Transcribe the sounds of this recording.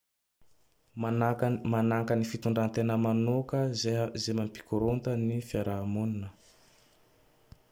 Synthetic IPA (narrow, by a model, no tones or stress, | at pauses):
manaŋkənifit̪uɳɖ͡ʐant̪enəmanokəzeɦəzemampi̥kuɾont̪ənifiaɾamuninə